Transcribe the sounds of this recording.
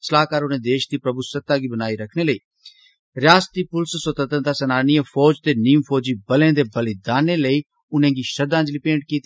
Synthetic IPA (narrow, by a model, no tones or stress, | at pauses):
səlaːkaːɾʊnẽːd̪eːʃd̪iːpɾəbusət̪ːãːɡiːbənaːiːɾəkʰneːləiː | ɾɪjaːst̪iːpʊlssət̪ət̪ənd̪aːsənaːniːə̃fʰɔːd͡ʒt̪eːniːmpʰɔːd͡ʒiːbəlẽːd̪eːbəled̪aːneːləiː | ʊnẽːɡiːʃəd̪ãːd͡ʒliːpẽːɳʈ̚kiːt̪i